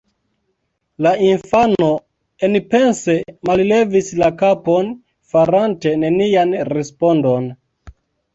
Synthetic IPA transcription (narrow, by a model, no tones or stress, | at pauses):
lainfano̞ | enpe̞nse̞malle̞vislakapo̞n | faɾante̞ne̞nianɾe̞spo̞ndo̞n